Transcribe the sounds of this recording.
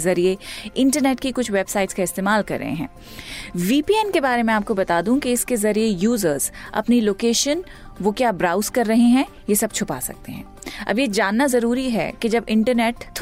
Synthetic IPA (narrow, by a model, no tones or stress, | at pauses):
zɐɾieɪ̃ɳʈəɾnɛːʈkikʊt͡ʃʰʋeːbsaːɪʈskaɪst̪eːmaːlkɐ̰ɾːɐ̰ɦḛ̃ɦɛ̰̃ː | ʋiːpiɛnkebaːɾemẽaːp̚kobɐt̪aːd̪ũkeɪskezɐɾiejuːzəɾz̥ɐ̰pniloːkeːʃən | ʋokjaːbɾaːʊzkɐɾːɐɦeɦɛ̃ | jesɐb̚t͡ʃʰʊpa̰ːsɐ̰k̚t̪eɦɛ̰̃ː | ɐ̰bjed͡ʒaːnːazɐɾuːɾiɦɛ̰ked͡ʒɐbɪ̃ɳʈəɾnɛːʈt̪ʰ